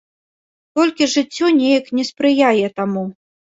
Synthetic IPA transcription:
t̪ɔlʲkʲiʐɨt͡sʲːɔnʲejɐknʲɛspɾɨjajɛt̪amu

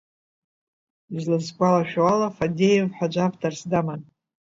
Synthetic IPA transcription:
izlɨzkʷʼalaʃᶣalafadʲejevħʷad͡ʒʷavtʰarsdaman

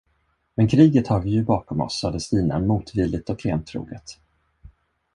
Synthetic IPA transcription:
mɛnkʰɾiːɡət̪hɑːɾvɪjɵbɑːkɔmɔ̰sad̪əst̪iːna̰muːt̪vɪld̪ɪt̪ɔkʰlḛːnt̪ʰːɾṵːɡət̪

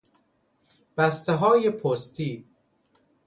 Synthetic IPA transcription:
b̥æst̪eɦɒːjepʰost̪ʰiː

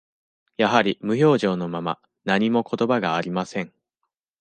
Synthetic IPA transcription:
jaɦaɾʲimɯ̟ço̞ːʑo̞ːno̞mama̰ | naɲ̟imo̞ko̞t̪o̞baɡaːɾʲimasẽ̞ɴ

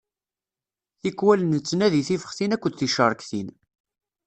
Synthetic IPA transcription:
θikwælənt͡sːənæðiθifə̥χθinækʷːəd̪θiʃəɾˤəkθin

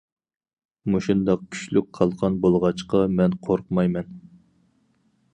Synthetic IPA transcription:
muʃund̪ɑq̚kʲʰy̥ʃlyk̚ʲqʰɑlˠʁɑnbolˠʁɑt͡ʃqɑmɛnqʰoɾqmɑjmɛn

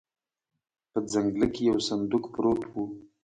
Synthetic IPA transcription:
pəd͡zaŋɡləkejawsand̪ukpɾot̪wu

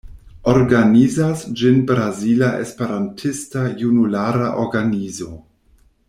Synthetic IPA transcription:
oɾɡanizasd͡ʒinbɾazilaʔespe̞ɾantʰistajunulaɾaʔoɾɡanizo

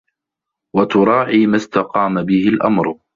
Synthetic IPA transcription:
wat̪ʊɾˤɑːʕiːmast̪aqɑːmabɪhɪlʔa̰mɾ

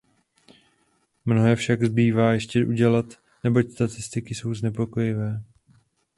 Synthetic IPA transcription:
mno̞ɦɛːfʃaɡzbiːvaːjɛʃcɛʔuɟɛlat̪ | nɛbo̞cst̪at̪ɪst̪ɪkɪso̞wznɛpo̞ko̞jɪvɛː

